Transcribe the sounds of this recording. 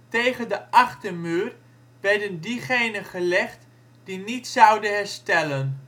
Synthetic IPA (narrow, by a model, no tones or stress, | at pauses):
tejχəndəʔɑχtəɹmyːr | ʋɛɹdəndiχejnənχəlɛχt | d̥initsɑwdənɦɛɹstɛlən